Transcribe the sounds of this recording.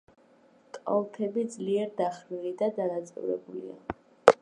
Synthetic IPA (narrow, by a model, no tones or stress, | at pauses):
t̪ʼɔ̰lˠt̪ʰɛbid̪zliɛɾd̪aχɾiɾid̪ad̪anat̪sʼɔ̰ɾɛ̰bulḭa̰